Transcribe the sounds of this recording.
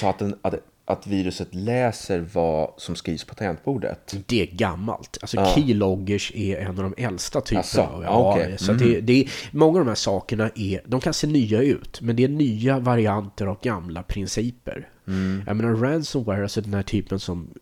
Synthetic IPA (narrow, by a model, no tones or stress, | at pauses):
sɔat̪̚d̪ɛn | ʔat̪viːɾɵsət̪lɛːsəɾvasɔmskɾiːvspʰat̪ʰɛnt̪̚buːɖə̰t̪d̪̥ɛæɡamːa̰lt̪alsɔkʰiːlɔɡːəʂɛɛnːavd̪ɔmʔɛlst̪at̪ʰypəaa̰vɛsɔat̪d̪ɛd̪ɛːmɔŋːavd̪ɔmhæːʂɑːkəɳaʔɛɾd̪ɔmkʰanseːnyːaʉ̟ːt̪mɛnd̪ɛænyːavaɾɪant̪əɾavɡamlapʰɾɪnsiːpə̰ɾ | jʔa̰meːnaɾænsɔmwɛɾalsɔd̪ɛnhæːʈʰyːpənsɔm